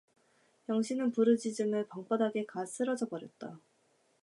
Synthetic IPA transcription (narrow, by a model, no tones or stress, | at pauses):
jʌŋɕʰinɯnpuɾɯd͡ʑid͡ʑɯnɯɭpʌŋp͈adaɡe̞kas͈ʰɯɾʌd͡ʑʌbʌɾjʌt̚t͈a